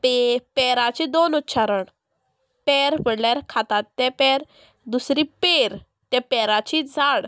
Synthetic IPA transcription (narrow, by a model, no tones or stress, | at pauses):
pepɛɾat͡ɕid̪onut̪ːɕaɾəɳ | pɛɾpəɽlaɾkʰat̪at̪ːɛpɛɾ | d̪usɾiːpeɾ | t̪japɛɾat͡ɕid͡zʱaɽ